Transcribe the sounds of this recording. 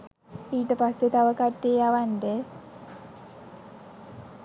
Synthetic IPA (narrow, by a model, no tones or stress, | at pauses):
iːʈəpasːet̪aʋəkaʈːeːaʋanɖə